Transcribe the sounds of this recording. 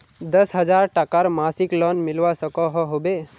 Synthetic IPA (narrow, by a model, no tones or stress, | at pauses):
d̪əsɦəd͡ʒaɾʈakaɾmaːsɪklɔnmɪlʋasəkɔɦɔɦobe